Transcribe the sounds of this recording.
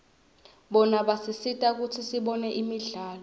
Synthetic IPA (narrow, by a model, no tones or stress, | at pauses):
ɓɔnaɓasisitʼak̬ut͡sʰisiɓɔnɛʔimiɮaːlɔ